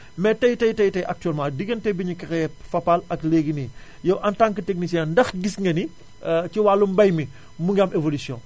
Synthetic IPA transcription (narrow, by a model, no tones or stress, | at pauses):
mɛtɐjtɐjtɐjtɐjʔɐk̚tyɛlmãdiɡɐntɛjbiɲukɐɾɛfɐpːalɐkleɡini | jɐwʔɐntãŋkːətek̚nis̬jɛndɐxɡisŋɡɐni | ciwaːlːumbɐjmi | muŋɡamevolisjɔ̃ː